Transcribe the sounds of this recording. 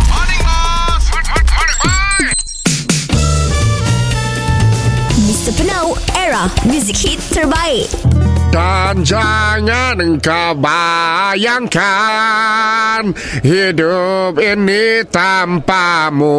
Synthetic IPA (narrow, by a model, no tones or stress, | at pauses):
mɪstəpʰənowɛɹamjuzɪkhitsəɹbaɪʔd̥and͡ʒaŋanŋkabajaŋka | n | hidʊp̚init̪ampamo